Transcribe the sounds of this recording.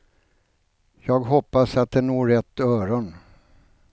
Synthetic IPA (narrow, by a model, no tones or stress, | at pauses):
jɑːɡɦɔpːasat̪̚d̪ɛnoːɾɛt̪ːœːɾɔn